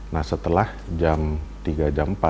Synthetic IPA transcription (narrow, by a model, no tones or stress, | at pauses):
nahsət̪əlah | d͡ʒamt̪iɡad͡ʒampa